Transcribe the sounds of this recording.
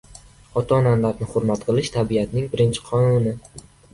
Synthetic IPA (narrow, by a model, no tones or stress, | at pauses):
ɒt̪ʰananlaɾnɪχʊɾmat̪qʰɨlˠɪʃt̪ʰabijat̪nɪŋbɪɾɪnt͡ʃʰɪ̥qʰɒnunɪ